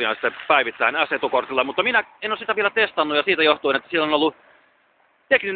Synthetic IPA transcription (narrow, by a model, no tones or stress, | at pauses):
ijɑnst̪ːepæiʋit̪ːæinæset̪ukort̪ilːɑmut̪ːɑminæenoːsit̪æʋielæt̪est̪ɑnːujɑsiːt̪æjoht̪uinet̪ːæ̥sielːonolːu | t̪eknyn